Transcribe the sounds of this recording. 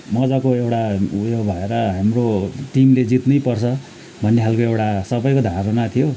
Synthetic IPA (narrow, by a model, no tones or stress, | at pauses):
mʌd͡zʌkoewʈaujobʱʌeɾʌɦamroʈimled͡zit̪nʌjpʌrt͡sʰʌ | bʱʌnːekʰalkoewʈasʌbʌjkod̪ʱaɾʌnat̪ʰijo